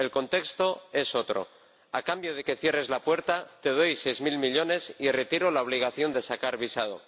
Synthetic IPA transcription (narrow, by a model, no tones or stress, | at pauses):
e̞lko̞nt̪e̞kst̪o̞e̞so̞t̪ɾo̞̰ | akambjo̞ð̞e̞ke̞θje̞re̞zlapwe̞ɾt̪at̪e̞ð̞o̞jsejzmilmiʎo̞ne̞sire̞t̪iɾo̞laoβ̞liɣ̞aθjo̞nd̪e̞sakaɾβisað̞o̞̰